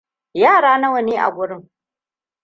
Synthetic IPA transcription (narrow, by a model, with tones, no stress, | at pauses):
jaː˦˨ɾaː˦na˦wɐ˨ni˦ʔa̰˨ɡʷʊ˨ɾɨ˦m